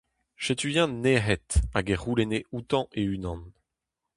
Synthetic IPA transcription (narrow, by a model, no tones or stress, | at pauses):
ʃet̪yjɛ̃neɦɛt̪aɡeʁuleneut̪ɑ̃ʔeynɑ̃n